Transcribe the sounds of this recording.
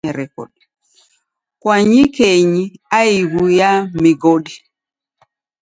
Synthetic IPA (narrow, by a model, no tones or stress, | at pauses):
ɛɾɛkɔ̰ɗ | kwaɲikeɲiaiɣujamiɡɔɗi